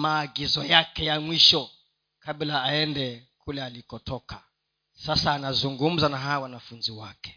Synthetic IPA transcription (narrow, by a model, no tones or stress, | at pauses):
maːɡizɔjakɛjamwiʃɔ | kablaːɛndɛkulɛalikɔtʰɔkʰa | sasaːnazuŋɡum̩zanaɦawanafunziwakɛ̥